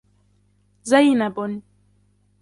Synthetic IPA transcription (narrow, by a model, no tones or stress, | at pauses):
zajnabʊn